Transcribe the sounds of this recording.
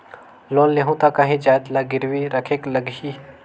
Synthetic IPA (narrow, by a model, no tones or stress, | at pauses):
loːnleɦũt̪akɐɦĩd͡ʒaːjd̪laɡɪɾwiɾəkʰekləɡɦi